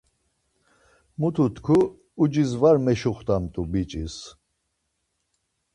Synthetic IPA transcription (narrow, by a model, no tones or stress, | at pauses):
mut̪ʰut̪ʰkʰuː | d͡ʒizvaɾmɛʃuχt̪ʼamt̪ʼubit͡ʃʼis